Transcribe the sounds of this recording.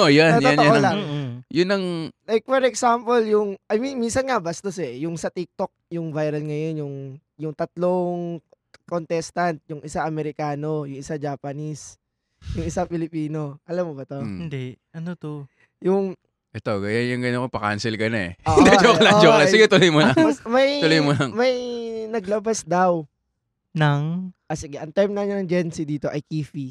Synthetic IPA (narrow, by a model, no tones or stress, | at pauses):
ʔojantj̪oanjalaŋjʊnːɐŋlajk̚fɔɾɛksampɐljʊŋʔɐjminminsɐnŋɐbɐst̪osɛjʊŋsɐt̪ik̚t̪ok̚jʊŋvajɾɐlŋɐjo̞njʊŋ | jʊŋt̪ɐt̪loŋ | kont̪ɛst̪ɐnt̪̚jʊŋʔɪsaʔɐmɛɾɪkaːno̞jʊŋɪsad͡ʒapɐnis | jʊŋɪsapɪlɪpiːno̞ʔɐlamːobɐt̪oɪnd̪ɛʔɐnot̪o | jʊŋ | ʔɛt̪o̞ɡɐjanjʊŋɡɐnokopɐka̰nsɪlkɐnaɛ̰hɪnd̪ɛokɐlad͡ʒokɐlasɪɡɪt̪ʊlojmolɐmɐj̪ʊlojmolɐŋmɐjnɐɡlɐbasd̪ɐw | nɐŋʔɐsɪɡɛʔɐŋt̪ɛɹmnɐɲanɐŋd͡ʒɛnsɪd̪iːt̪oʔɐjkiːfi